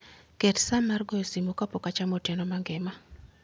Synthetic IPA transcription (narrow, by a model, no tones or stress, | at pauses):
kɛtsamarɡɔjosimokapokat͡ʃamotɛnɔmaŋɡɪma